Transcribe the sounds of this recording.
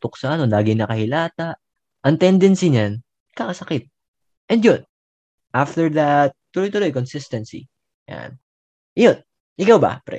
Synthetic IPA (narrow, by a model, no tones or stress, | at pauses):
t̪ʊksaʔɐnolaːɡɪŋnɐkɐhɪlaːt̪aʔ | ʔɐŋt̪ɛnd̪ɛnsiɲan | kakɐsɐkɪt̪̚ | ʔɛnd̪jon | ʔaft̪ɛɹd̪ɐt̪̚ːʊlojt̪ʊlo̞jkonsɪst̪ɛnsḭ | ja̰n | jo̞n | ʔɪkawbɐ̰pɾɛ̰